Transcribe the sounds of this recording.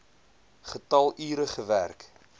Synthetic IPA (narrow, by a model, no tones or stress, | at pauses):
χətɐlˠiːɾəχəværk